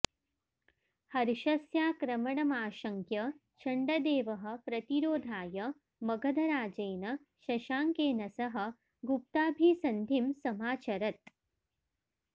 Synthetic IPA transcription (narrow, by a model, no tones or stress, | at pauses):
hɐɾʃɐsjaːkɾɐmɐɳɐmaːʃɐŋkjɐ | t͡ʃʰɐɳɖɐd̪eːʋɐɦɐ̆pɾɐt̪iɾoːd̪ʱaːjɐ | mɐɡʱɐd̪ʱɐɾaːd͡ʒɐjnɐ | ʃɐʃaːŋkeːnɐsɐɦɐ̆ | ɡup̚t̪aːbʱiːsɐnd̪ʱimsɐmaːt͡ʃɐɾɐt̪̚